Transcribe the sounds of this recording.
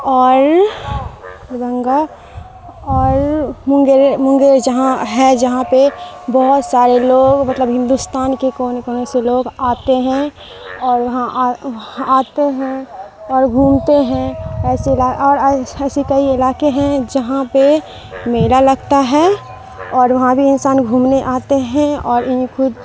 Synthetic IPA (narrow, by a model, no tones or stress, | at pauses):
ɔːɾ | bə̃ŋɡa | ɔːɾmʊ̃ŋɡeɾmʊ̃ŋɡeɾd͡ʒɐɦãɦɛd͡ʒɐɦãpebɔɦʊt̪saːɾeloːɡmɐt̪ləbɦɪ̃nd̪ust̪aːnkekoːnkoːneseloːɡaːt̪eɦɛ̃ | ɔːɾʋɐɦãʔ | aːt̪eɦɛ̃ɔːɾɡʱuːmt̪eɦɛ̃ɛːselaːɔːɾɛːsikɐiɪlaːkeɦɛ̃d͡ʒɐɦãpe | meːlalɐɡt̪aɦɛ | ɔːɾʋɐɦãbʱiɪnsaːnɡʱuːmneʔaːt̪eɦɛ̃ɔːɾʔɪɦĩkʰʊd̪